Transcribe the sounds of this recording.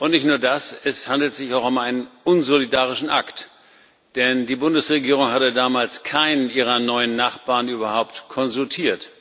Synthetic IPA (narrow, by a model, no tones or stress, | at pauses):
ʔʊntnɪçtnuːɐdasɛshandl̩tz̥ɪçaʊxʊmaɪnənʔʊnzolidaːʁ̞ɪʃn̩ʔakt | d̥ɛndiːbʊndəsʁeɡiːʁʊŋhatədaːmaːlskʰaɪnənʔiːʁ̞ɐnɔʏənːaχb̥aːɐnʔyːbɐhaʊptkʰɔnzʊltʰiːɐt